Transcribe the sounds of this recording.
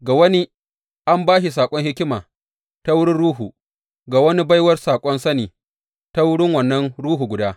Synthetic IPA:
ɡa˨wɐ˦ni˦ | ʔa˦mbaː˦ʃi˨s̬aː˨kʷʼɔ˦ŋhɪ˦kʲɪ˦maː˨ | ta˦wʊ˦ɽɪ˦nɽuː˦ɦuː˨ | ɡa˨wɐ˦ni˦ba˦jwɐ˦rsaː˨kʷʼɔ˦nsɐ˦niː˨ | ta˦wʊ˦ɽɪ˦ŋwɐ˨nːɐ˦nɽuː˦ɦu˨ɡʷʊ˨daː˦

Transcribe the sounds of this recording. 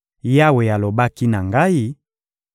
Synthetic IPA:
ja˦we˨ja˨lo˨ba˦ki˦na˨ŋɡa˦i˦

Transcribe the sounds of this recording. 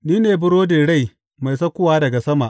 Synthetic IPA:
niː˦neː˨bʊ˦ɽoː˦de˨ɽa˦˨j | ma˨jsɐ˦kʷʊ˦waː˦dɐ˨ɡa˨sɐ˦ma˨ʔ

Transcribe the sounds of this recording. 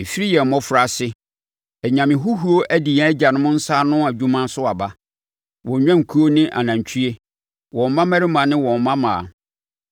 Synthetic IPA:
e˨fi˦ɾi˦jɛ˨m̩˨mɔ̃˦fʊ˨ɾa˨˦sɪ˦ | ɛ˨ɲã˨mɪ̃˨ɦu˦ɦu˦o˦ʔæ˦di˨jɛ˨˦d͡ʑa˨nʊ̃˦mʊ̃˦n̩˦saː˦nʊ̃˦a˨d͡ʑᶣũ˦mã˦sʊ˦a˨ba˦ | wɔ̃˨ɲᶣã˦ŋ̩˨kʰu˦o˦nɪ̃˦ʔa̰˨nã˨ɲ˨t͡ɕʰi˦e˦ | wɔ̃˨m˨mã˦mæ˦ɾɪ˦mã˨nɪ̃˦wɔ̃˨m˨˦mã˦mã˨

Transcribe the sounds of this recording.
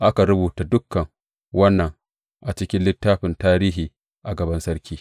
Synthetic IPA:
ʔa˦ka˨ɾʊ˦buː˨ta˨dʊ˦kːɐ˨ŋ | wɐ˦nːɐ˨ŋ | ʔa˨t͡ʃɪ˦kʲɪ˦nlɪ˦tːaː˦ɸɪ˨ntaː˦ɾiː˦ɦiː˨ | ʔa˨ɡɐ˨bɐ˦nsɐ˦ɾkʲʰiː˦

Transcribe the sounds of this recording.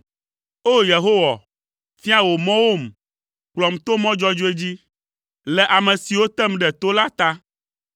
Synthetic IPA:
o˦je˨ɦo˦wa˨ | fi˦a˦wo˨mɔ̃˦wo˦m | k͡plɔ˨m˨t̪o˦mɔ̃˦d͡ʒɔ˦d͡ʒo˦e˦d͡ʑi˦ | lɛ˨ʔa˨mɛ̃˨si˨wo˦t̪ɛ˦mɖɛ˨t̪o˦la˦t̪a˦

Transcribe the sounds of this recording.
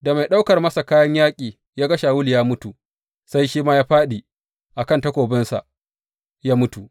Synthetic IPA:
da˨ma˨jɗa˦wkɐ˨rmɐ˦sa˨kaː˦jɐ˦ɲjaː˦kʲʼiː˨ | jaː˦ɡɐ˦ʃa˨wʊ˦ljaː˦mʊ˦tu˨ | sa˦jʃiː˦maː˦jaː˦ɸaː˦ɗi˨ | ʔa˨kɐ˦˨ntɐ˦kʷoː˨bɪ˦nsa̰˨ʔ | jaː˦mʊ˦tu˨

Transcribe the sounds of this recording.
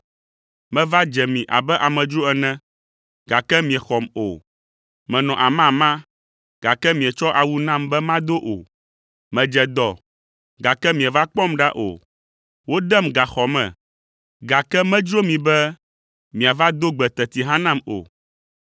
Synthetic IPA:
mɛ̃˦va˦d͡ʒɛ˨mĩ˨ʔa̰˨bɛ˦ʔa˨mɛ̃˨d͡ʒɾo˦ɛ˨nɛ̃˦ | ɡa˨kɛ˦mĩ˨ɛ˨xɔ˨mo̰˨ | mɛ̃˨nɔ̃˨ʔa˨mã˦˨mã˦ | ɡ̥a˨kɛ˦mĩ˨ɛ˨t͡ʃɔ˦ʔa˨wu˦nã˦mbɛ˦mã˦d̪o˦ʔo̰˨ | mɛ̃˨d͡ʒɛ˨d̪ɔ˨ | ɡa˨kɛ˦mĩ˨ɛ˨va˦k͡pɔ˦mɖa̰˦ʔo̰˨ | wo˦d̪ɛ˦mɡa˨xɔ˨mɛ̰̃˨ | ɡa˨kɛ˦mɛ̃˦d͡ʒɾo˦mĩ˨bɛ˦ | mĩ˨a˨va˦d̪o˦ɡ͡bɛ˨t̪ɛ˨t̪i˨ɦã˦nã˦mo̰˨

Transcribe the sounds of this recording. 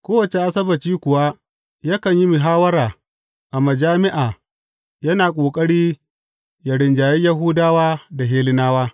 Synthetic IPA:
kʷoː˦wɐ˨t͡ʃe˨ʔa˦sɐ˦bɐ˨t͡ʃiː˦kʷʊ˨wa˦ | ja˦kɐ˨ɲji˦mɪ˨ɦaː˦wɐ˦ɾaː˨ | ʔa˨mɐ˨d͡ʒaː˦mɪ˦ʔaː˨ | jɐ˦naː˨kʷʼoː˨kʼɐ˦ɽiː˦ | ja˨ɽɪ˨nd͡ʒaː˨ji˦jɐ˦ɦʊː˦daː˦waː˦da˨ɦeː˦lɪ˦naː˦waː˦

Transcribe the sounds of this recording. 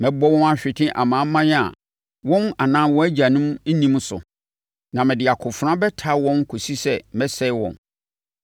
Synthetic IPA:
mɛ̃˦bɔ˦wɔ̃˦ma˦ɕᶣɪ˨tʰɪ̃˦ʔa̰˨mãː˨˦mːã˦ja̰˨ | wɔ̃˦na˨nãː˦wɔ̃˦æ˦d͡ʑa˨nʊ̃˦m̩˦nĩ˦m̃˦sʊ̰˨ | nã˨mɪ̃˨dɪ˨a˨kʰʊ˨fʊ˨ɾã˦bɛ˦tʰa˦wɔ̃˦n˦kʰo˨si˦sɛ˦mɛ̃˦sɛ˦ɪ˦wɔ̰̃˨n

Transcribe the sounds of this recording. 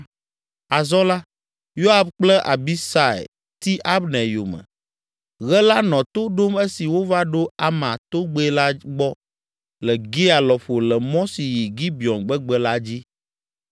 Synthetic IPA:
a˨zɔ˦la˦ | jo˦a˨fk͡plɛ˦ʔa˨bi˦sa˨ḛ˨ | t̪i˦ʔa˦bnɛ˨jo̰˨mɛ̰̃˨ | ɣɛ˦la˦nɔ̃˨t̪o˦ɖo˦me˦si˨wo˦va˦ɖo˦a˦mã˨t̪o˦ɡ͡be˦la˦ɡ͡bɔ˦ | lɛ˨ɡi˦a˨lɔ˨ɸo˨lɛ˨mɔ̃˦si˨ji˨ɡi˦bi˨ɔ˨nɡ͡bɛ˦ɡ͡bɛ˦la˦d͡ʑi˦

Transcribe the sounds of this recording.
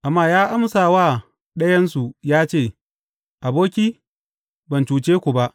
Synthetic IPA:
ʔa˨mːaː˦˨jaː˦ʔa˦msaː˨waː˦˨ | ɗɐ˦jɐ˦nsu˨jaː˦t͡ʃeː˦˨ | ʔa˨boː˦kʲiː˦ | bɐ˨nt͡ʃuː˨t͡ʃeː˦kʷu˨ba˦ʔ

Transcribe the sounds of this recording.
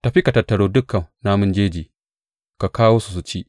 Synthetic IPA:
tɐ˨ɸi˦ka˨tɐ˨tːɐ˨ɽoː˦dʊ˦kːɐ˨nna˦mʊ˦nd͡ʒeː˦d͡ʒiː˨ | ka˨kaː˦woː˦su˨s̬u˨t͡ʃi˦ʔ

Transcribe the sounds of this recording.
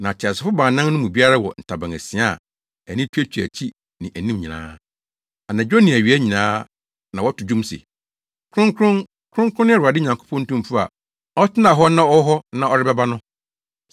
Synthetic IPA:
nã˨t͡ɕʰa˨sɪ˨fʊ˦bã˨nã˦nnʊ̃˦mũ˨bi˦a˦ɾa˦wɔ̰˨n̩˨tʰa˨bã˨ŋæ̰˨si˨a̰˦˨ | æ˨nĩ˦tʰu˦æ˦t͡ɕʰᶣi˨æ̰˨t͡ɕʰi˦ | nɪ̃˨ʔæ˨nĩ˦mɲĩ˨nã̰ː˦ | a˨nã˨d͡ʑᶣo˦nĩ˨æ˨ɥi˨˦æ˦ɲĩ˨nãː˦ | nã˨wɔ˦tʊ˨d͡ʑũ˦msḛ˨ | kʰɾʊ̃˦ŋkʰɾʊ̃˦n | kʰɾʊ̃˦ŋkʰɾʊ̃˦n˦˨ʊ˨a˨dɪ˦˨ɲã˨ŋkʰo̥˦pʰɔ̃˦n̩˦tũ˦m˦fʊ˦a̰˨ | ɔ˦tʰɪ˦nã˨ɦɔ˦nã˦ɔ˦ɦɔ˦nã˦˨ɔ˦ɾɪ˦bɛ˦ba˦nʊ̃˦

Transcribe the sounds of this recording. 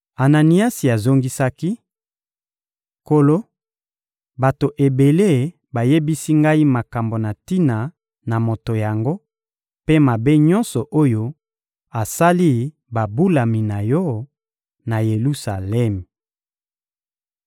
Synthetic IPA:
a˨na˨ni˦a˦si˨a˨zo˦ŋɡi˦sa˦ki˦ | ko˨lo˦ | ba˨to˨ʔe˨be˨le˦˨ | ba˨je˦bi˦si˦ŋɡa˦i˦ma˨ka˨mbo˨na˨ti˦na˨ | na˨mo˨to˨ja˨ŋɡo˦ | pe˦ma˨be˦ɲɔ˦nsɔ˨ʔo˦jo˦ | a˨sa˦li˦ | ba˨bu˦la˨mi˨na˨jɔ˦ | na˨je˨lu˦sa˨lɛ˦m˨

